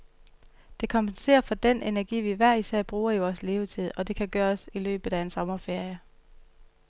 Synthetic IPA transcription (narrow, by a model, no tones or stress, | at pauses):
d̥e̝kʰɒ̽mpʰense̝̰ːɐfɒ̽d̥en̰ʔenæɐɡ̥ḭːʋiʋæɐ̰isæɐ̰b̥ʁuːɐiʋɒːsle̝ːʊt͡sʰið̰ˠɒ̽d̥e̝kʰæɡ̥ɶːɐsilø̰ːb̥ð̩ˠæe̝nsɒ̽mɐfe̝ɐjə